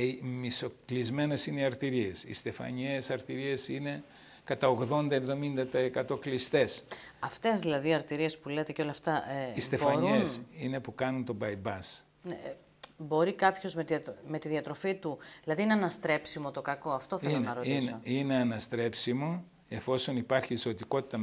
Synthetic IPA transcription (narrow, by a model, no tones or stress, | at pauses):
miso̞klizme̞ne̞sineiɐɾt̪iɾiesḭst̪e̞fɐ̰ɲesɐɾt̪iɾie̞sine̞ | kɐt̪ɐoɣðo̞nd̪ɐevðo̞mind̪ɐt̪ɐekɐt̪o̞klist̪e̞sɐft̪e̞zðilɐðiɐɾt̪iɾie̞spulet̪e̞ceo̞lɐft̪ɐʔist̪ebfɐɲɾuensine̞pukɐnunt̪o̞bɐjbɐs | ne | bo̞ɾikɐpço̞zmet̪me̞t̪iðiɐt̪ɾo̞fit̪uðilɐðiineɐnɐst̪ɾe̞psimo̞t̪o̞kɐko̞ɐft̪o̞θeilonnɐɾot̪isoine̞ɐnɐst̪ɾe̞psimo | e̞fo̞so̞nipɐɾçiːso̞t̪iko̞t̪i̥t̪ɐ